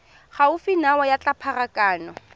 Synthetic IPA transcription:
χaʊfinawɔjat͡ɬʼapʰarakʼaːnɔ

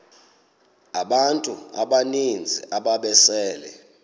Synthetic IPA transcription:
aɓantʼuaɓanind͡zʱḭʔaɓaɓɛsɛːlɛ̰

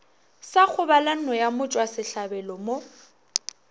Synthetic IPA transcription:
sak͡xʰʊbalan̩nɔjamʊt͡ʃʼwasɪɬabɛlɔmo

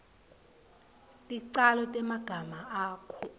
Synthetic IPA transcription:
tʼiǀalɔtʼɛmaɡ̥ʱamaaːkʰɔ

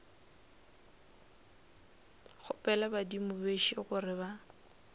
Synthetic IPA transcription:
χʊpɛlabadimʊbeʃiɣʊrɪba

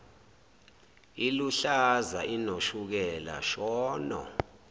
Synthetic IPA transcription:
iluɬazainoʃuk̬ɛla̰ʃɔːnɔ̰

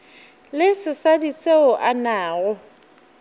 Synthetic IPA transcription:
lɪsɪsadiseʊʔanaːɔ

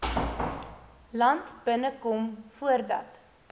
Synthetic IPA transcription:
lɐntb̥ənəkɔmfuərdɐ̰t

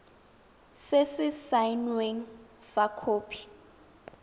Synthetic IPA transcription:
sesɪsajnweŋ | fakʰoːpʰi̥

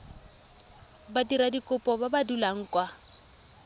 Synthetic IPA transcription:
badiɾadikʼʊpʼɔbabadulaŋ̩kʼwa

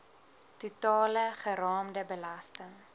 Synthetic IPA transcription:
tutɑːləχəɾɑːmdəbəlɐstəŋ

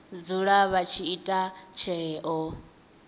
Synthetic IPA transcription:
d͡zuɺaβat͡ʃʰiitʼat͡ʃʰɛːʔɔ

